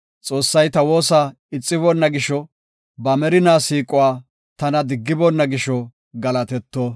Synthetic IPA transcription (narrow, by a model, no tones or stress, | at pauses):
t͡sʼo̞ːsːɐjt̪ɐwo̞ːsaː | ɪt͡sʼːɪβɔnːɐɡɪʃɔ | bɐmɛɾɪnaːsiːkʼʊwaː | t̪ɐnɐd̪ɪɡːɪbɔnːɐɡɪʃɔ | ɡɐlɐt̪ɛt̪ːoː